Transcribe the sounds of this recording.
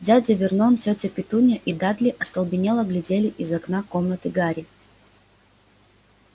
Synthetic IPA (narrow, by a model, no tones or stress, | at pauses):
dʲadʲɐvʲɪrnontʲotʲəpʲɪt̪unʲɐʔid̪ad̪lʲɪʔɐst̪ɐlˠbʲɪnʲelˠəɡlʲɪdʲelʲɪʔizɐknakomnət̪ɨɡaɾʲɪ